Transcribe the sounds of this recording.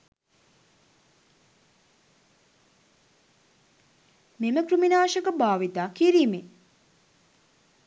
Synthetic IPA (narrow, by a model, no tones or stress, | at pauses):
meməkɾuminaːʃəkəbaːʋit̪aːkiɾiːme